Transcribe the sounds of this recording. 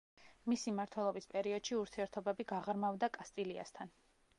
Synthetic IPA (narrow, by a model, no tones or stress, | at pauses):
misimaɾt̪ʰwɛlˠɔbispʼɛɾiɔd̪̥ʃiuɾt̪ʰiɛɾt̪ʰɔbɛbiɡaʁɾmavd̪akʼast̪ʼilia̰st̪ʰan